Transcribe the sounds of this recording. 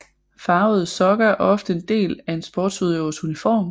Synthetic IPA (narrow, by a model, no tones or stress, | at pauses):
fɑ̈ʊð̩ˠsɒ̽ɡ̥ɐʔɒ̽fd̥əe̝nd̥e̝̰ːlæe̝nsb̥ɒ̰ːd̥suðˠjoːsunifɒ̰ːm